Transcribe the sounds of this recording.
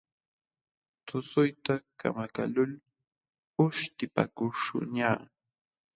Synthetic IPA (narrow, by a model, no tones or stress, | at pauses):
t̪ʊsʊjt̪aka̰maka̰lʊl | ʊʃt̪ɪpa̰kʊʂʊ̰ɲaː